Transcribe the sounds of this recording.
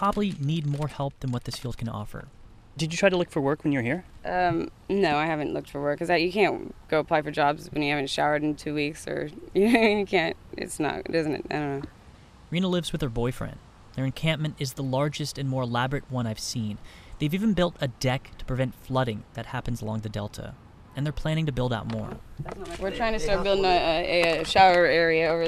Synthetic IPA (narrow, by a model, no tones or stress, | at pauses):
pʰɑblˠinid̚mɔɹhɛlˠp̚ðɨ̃nwʌt̪̚ðɪsfilˠd̚kʰɨ̃nɔ̰fə̰˞ | d̥ɨd͡ʒɨtʰɹ̥aɪɾəlʊkfə˞wɜ˞kwɨ̃njə˞hiɹʔʌ̃mnoʊaɪhævɨ̃n̩ʔlʊk̚tfə˞wɜ˞kʰːʌzɨjɨkʰæ̃nɡ̥oʊəpʰl̥aɪfə˞d͡ʒɑbzwɨ̃njɨhævɨ̃n̩tʃaʊə˞ɾ̃n̩tʰʉwiksə̰˞jɨnoʊjɨkʰæ̃nt̚ɪ̰tsnə̰t̚dʌz̃n̩tɨ̰taɪdɾõʊ̃nːoʊ | ɹĩnəlɪvzwɨðə˞bɔɪfɹɛ̰̃n | ðə˞ɨ̃nkʰæ̃mp̚mɨ̃ntɨzðəlɑɹd͡ʒɨstɨ̃nmɔɹəlæbɹɨt̚wʌ̃naɪv̥sĩn | ðeɪvivɨ̃nbɪlˠtɨdɛktʰə̥pʰɹ̥ɨvɛ̃ntflʌɾɪ̃ŋðɨt̚hæpn̩zəlɔ̃ŋðɨdɛlˠtʰə̰ | ɨ̃nðə˞pʰl̥æ̃nɪ̃ŋtɨbɪlˠdaʊt̚mɔ̰ɹwɨɹtʰɹ̥aɪɪ̃ŋtɨstɑɹt̚b̥ɪlˠdɪ̃ŋɨ | ʃaʊə˞ɛɹiɨoʊvə˞